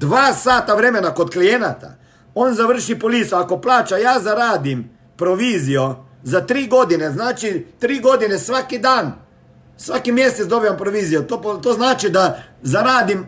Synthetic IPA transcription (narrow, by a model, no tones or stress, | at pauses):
d̪ʋaːsaːt̪aʋɾɛːmɛnakɔt̪klijenat̪a̰ | ɔnzaʋəɾ̩ʃipɔliːsɔakɔplaːt͡ʃajaːzaɾaːd̪im | pɾɔʋiːzijɔ | zat̪ɾiːɡod̪inɛznaːt͡ʃit̪ɾiːɡoːd̪inɛsʋakid̪an | sʋakimjeːst̪ɛt͡s̪d̪oːbijampɾɔʋiːzijɔt̪oːpt̪oːznaːt͡ʃid̪azaɾaːd̪im